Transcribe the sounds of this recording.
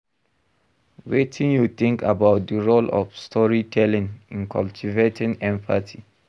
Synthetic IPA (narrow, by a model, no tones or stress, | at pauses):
wetʰĩnjut̪ĩŋkʰabaʊt̚dəɹolɔ̰fstʰɔɹitʰɛlĩnĩnkʰaltʰivetʰĩnɛ̃mpʰatʰi